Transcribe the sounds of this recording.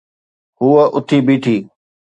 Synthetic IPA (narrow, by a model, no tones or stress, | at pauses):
ɦʊəʔʊt̪ʰiːbiːʈʰiː